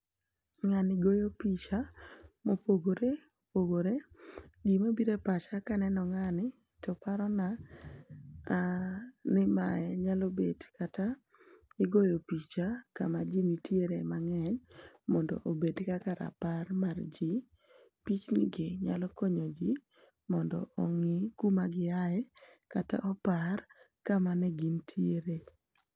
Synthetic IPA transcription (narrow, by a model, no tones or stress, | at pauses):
ŋanɪɡojopit͡ʃamopoɡoɾeopoɡoɾeɡimobiɾepat͡ʃakanɛnɔŋanɪ | tɔpaɾɔna | nɪmaɛɲalobedkata | ɪɡojopit͡ʃaka̰mad͡ʒinitjeɾemaŋɛɲmɔndɔ̰ʔobedkakaɾa̰parmard͡ʒi | pit͡ʃnɪɡɪɲalɔkoɲod͡ʒi | mɔndɔ̰ɔŋɪkumaɡɪaɛkata̰ʔɔpar | kamanɛɡintʰieɾe